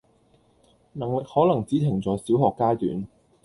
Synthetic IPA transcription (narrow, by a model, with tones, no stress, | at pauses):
nɐ˨˩ŋlɪ˨k̚hɔː˨˥lɐ˨˩ŋt͡siː˨˥t̪ʰɪ˨˩ŋt͡sɔː˨˥jsiː˨˥wɦɔː˨kːaː˥jt̪y̰ː˨˥n